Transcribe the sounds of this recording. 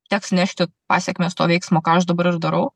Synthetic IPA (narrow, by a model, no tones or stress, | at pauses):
t̪ʲæːksnʲæʃʲt̪ʲɪpɑ̰ːsʲɛkʲmʲeːst̪oːʋɛɪksmoːkɑːɐʃd̪ɐbɐɾɪɾd̪ɐɾɐʊ